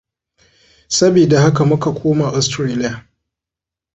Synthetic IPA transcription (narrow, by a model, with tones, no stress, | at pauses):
sɐ˦biː˨da˨ha˦ka˨mʊ˦ka˨kʷʰoː˦ma˨ʔɔ˨stɾeː˦lɪ˦ja˨